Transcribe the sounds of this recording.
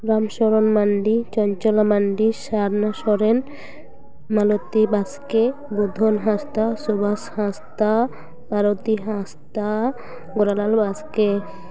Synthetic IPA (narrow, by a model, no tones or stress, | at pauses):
ɾamʃɔɾonmaɳɖit͡ɕɔɲt͡ʃɔlamaɳɖiʃaɾnaʃɔɾen | malot̪ibaskebud̪ʱonɦast̪asobashãst̪a | bʱaɾot̪iɦãst̪a | ɡoɾalalbaske